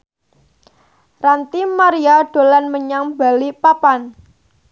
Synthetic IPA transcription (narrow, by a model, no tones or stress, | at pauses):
rant̪imaɾiaɖ̥o̤lanməɲaŋbalipapan